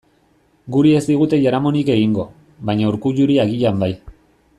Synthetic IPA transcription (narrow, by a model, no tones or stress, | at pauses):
ɡuɾie̞zd̪iɣ̞ut̪e̞ʝaɾamo̞nike̞ɣiŋɡo̞ | βajɲauɾkuʎuɾiaɣiʎambaj